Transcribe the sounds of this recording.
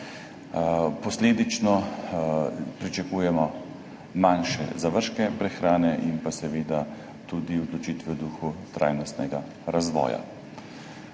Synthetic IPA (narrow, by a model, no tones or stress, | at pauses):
pɔsleːd̪it͡ʃnɔ | pɾit͡ʃakuːjɛmɔ | manʃɛ̰zaʋəɾʃkɛpɾɛxɾaːnɛʔimpasɛʋeːd̪a | t̪ud̪iɔd̪lɔt͡ʃiːt̪ʋɛd̪uːxut̪ɾa̰ːjnɔst̪nɛɡa | ɾazʋɔ̰ːja̰